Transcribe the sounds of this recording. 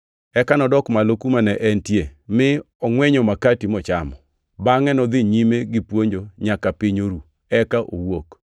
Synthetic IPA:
ɛkanɔdɔkmalokumanɛʔɛntjemɪ | ɔŋwɛɲɔmakatimɔt͡ʃamɔ | baŋɛnɔd̪ɪɲimeɡɪpwoɲd͡ʒoɲakapɪɲoɾu | ɛkaʔo̰wok

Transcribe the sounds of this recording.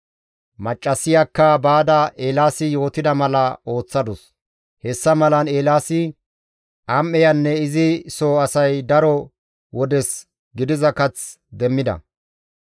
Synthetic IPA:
mɐt͡ʃʼːɐsɪjakːɐbaːd̪ɐʔeːlaːsɪjo̞ːt̪ɪd̪ɐmɐlɐo̞ːt͡sːɐd̪ɔs | hɛsːɐmɐlɐneːlaːsɪ | ʔɐmʔɛjɐnːɛɪzɪsoːɐsɐjd̪ɐɾɔ | wɔd̪ɛs | ɡɪd̪ɪzɐkɐt͡s | d̪ɛmːɪd̪ɐ̰

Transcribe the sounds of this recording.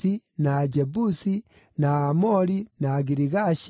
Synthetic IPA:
inad͡ʒebusi | naːmoɾinaɡiɾiɣaʃ

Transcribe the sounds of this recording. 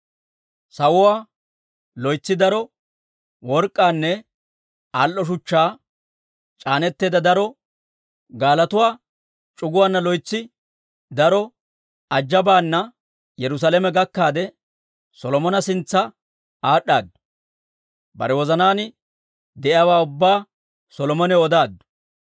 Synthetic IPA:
sɐwʊwaː | lɔjt͡sːɪd̪ɐɾɔ | wɔɾkʼːaːnːɛ | alʔɔʃ̬ʊt͡ʃːaː | t͡ʃʼaːnɛt̪ːeːd̪ɐd̪ɐɾɔ | ɡaːlɐt̪ʊwaː | t͡ʃʼʊɡʊwaːnːɐlɔjt͡sːɪ | d̪ɐɾɔ | ɐd͡ʒːɐbaːnːɐ | jɛɾʊs̬aːlɛmɛɡɐkːaːd̪ɛ | sɔlɔmɔnɐsɪnt͡sːɐ | aːɗaːd̪ʊ | bɐ̰ɾɛwɔzɐnaːnɪ | d̪ɛʔɪaːwaːʊbːaː | sɔlɔmɔnɛɔd̪aːd̪ːʊ̥

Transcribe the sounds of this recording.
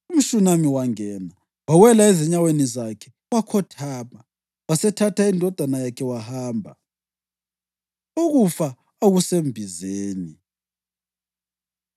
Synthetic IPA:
um̩ʃunamiwaŋɛna | wawɛlaɛzɛɲawenizakʰɛ̥ | wakʰɔtʰaːma | wasɛtʰatʰaindʱɔd̥ʱwanajakʰɛwahaːmbʱa̰ | oɣufa | aɣusembʱizeːni

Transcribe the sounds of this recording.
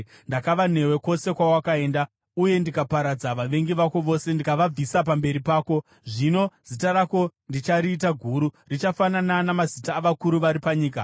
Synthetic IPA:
ndakaʋane̞we̞ko̞se̞kwawakae̞ːnda | uje̞ndikapaɾad͡zaʋaʋe̞ŋɡiʋako̞ʋo̞ːse̞ndikaʋab͡visap̬ambe̞ɾipaːko̞ | ʐino̞z̥itaɾako̞ndit͡ʃaɾiːt̬aɡʱuɾurit͡ʃafanananamazitaːʋakuɾuʋaɾipaɲiːka

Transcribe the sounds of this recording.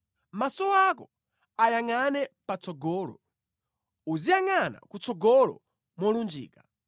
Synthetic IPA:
masɔakɔ | ajaŋanɛpat͡sɔɡɔːlɔ̰ | uzijaŋana̰kut͡sɔɡɔlɔ̰ | mɔlund͡ʒḭːka

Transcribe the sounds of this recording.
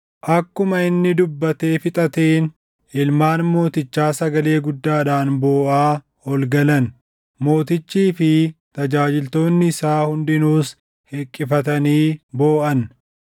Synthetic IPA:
ʔɐkːʊmɐɪnːɪd̪ʊbːɐt̪e̞ːfɪt̪ʼɐt̪eːn | ɪlmaːnmo̞ːt̪ɪt͡ʃːaːsɐɡɐle̞ːɡʊd̪ːaːᶑaːnbo̞ːʔaː | ɔlɡɐlɐn | mo̞ːt̪ɪt͡ʃːiːfɪt̪ɐd͡ʒaːd͡ʒɪlt̪o̞ːnːɪɪsaːhʊnd̪ɪnuːs | hɛkʼːɪfɐt̪ɐniːbo̞ːʔɐn

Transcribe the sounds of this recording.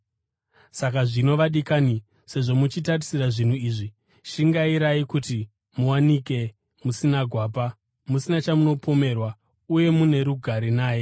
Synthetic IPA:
sakaʐino̞ʋaɗikani | se̞ʐo̞mut͡ʃitarisiraʐin̤uiːʐi | ʃiŋɡaiɾaikuti | muwanike̞ | musinaɡʱwaːp̬a | musinat͡ʃamuno̞pʰo̞me̞rwa | uje̞mune̞ɾuɡʱaɾinaːje̞

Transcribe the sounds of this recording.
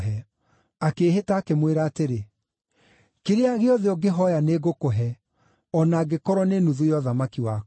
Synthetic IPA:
ɦɛ | akeːɦetaːkemweɾaːteɾe | keɾeaɣeɔðeɔɡeɦɔjaneɡokoɦɛ | ɔnaːɡekɔɾwɔnenuðujɔðamakiwa

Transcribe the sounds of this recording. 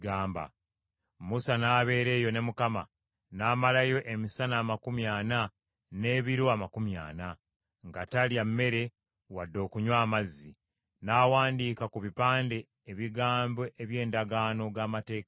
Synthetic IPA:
ɡaːmba̰ | musanaːβe̞ːɾe̞ːjo̞ne̞mukama | naːmalajo̞ʔemisanaːmakumjaːna | ne̞βiɾoamakumja̰ːna | ŋɡataljamːe̞ɾe̞ | wadːo̞ːkuɲwaːmazːi | naːwaːndiːkakuβipaːnde̞ːβiɡaːmbo̞ʔeβje̞ːndaɡaːno̞ɡaːmate̞ːk

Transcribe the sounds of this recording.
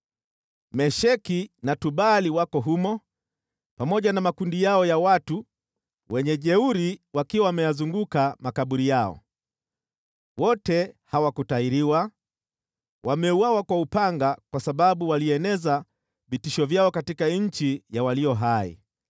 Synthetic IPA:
mɛʃɛkinatuɓaliwakɔɦumɔ | pamɔʄanamakundijaɔjawatu | wɛɲɛʄɛuɾiwakiwawamɛjazuŋɡukamakaɓuɾijaɔ̰ | wɔtɛhawakutaiɾiwa | wʔamɛuwawakwaupaŋɡakwasaɓaɓuwaliɛnɛza | vitiʃɔvjaɔkatikaɲ̩t͡ʃijawalijɔɦaḭ

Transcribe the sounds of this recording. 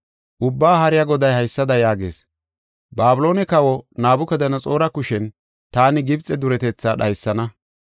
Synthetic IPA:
ʔʊbːaːɦɐɾɪjaɡɔd̪ɐjhɐjsːɐd̪ɐjaːɡe̞̰ːs | baːbʊlo̞ːnɛkɐwɔnaːbʊkɐd̪ɐnɐt͡sʼo̞ːɾɐkʊʃɛn | t̪aːnɪɡɪbt͡sʼɛd̪ʊɾɛt̪ɛt͡sːaːɗɐjsːɐnɐ

